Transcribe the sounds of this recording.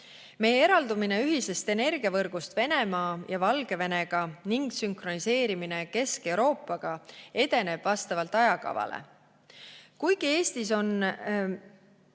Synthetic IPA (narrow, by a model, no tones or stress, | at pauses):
me̞jee̞ɾɑld̪umine̞yɦise̞st̪e̞ne̞rɡ̥iɑvɤrɡ̥ust̪ve̞ne̞mɑːjɑvɑlɡ̥e̞ve̞ne̞ɡ̥ɑniŋɡsyŋkro̞nise̞ːɾimine̞ke̞ske̞wɾo̞ːpˑːɑɡ̥ɑe̞d̪e̞ne̞b̥vɑst̪ɑvɑlt̪ɑjɑkɑ̰vɑ̰lḛ | kujɡ̥ie̞ːst̪iso̞n